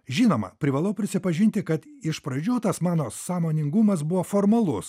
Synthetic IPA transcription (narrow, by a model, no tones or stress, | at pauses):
ʒʲiːnoːmɐ̰pʲɾʲɪʋɐlˠɐʊpʲɾʲɪsʲɪpɐʒʲɪnʲt̪ʲɪkɐt̪ɪʃpɾɐd͡ʒʲuːt̪ɐsmɑːnoːsɑːmoːnʲɪŋɡʊmɐs̬bʊʋoːfoːɾmɐlˠʊs